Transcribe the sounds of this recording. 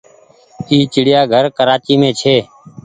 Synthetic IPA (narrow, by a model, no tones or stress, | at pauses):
iːt͡ʃɪɽɪjaːɡʱəɾkəɾaːt͡ʃiːmẽːt͡ʃʰeː